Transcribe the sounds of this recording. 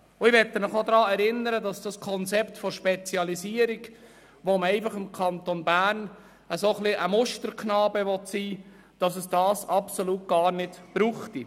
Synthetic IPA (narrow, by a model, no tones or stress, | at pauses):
ʊɪʋɛt̪ːəmɪχod̪ɾɑːɛɾɪnːəɾədɑsd̥ɑskʰɔnt͡sɛptfɔɾʃpɛt͡sjɑliziːəɾiɡ | ʋoməɛɪfɑχɪmkʰɑnt̪onbæːrn | əsoχliʔəmʊʃtəɾkʰnɑːbəʋɔt̪siː | d̥ɑsəsd̥ɑːsɑpsoluːt̚ɡ̥ɑːrnɪtb̥ɾuːχti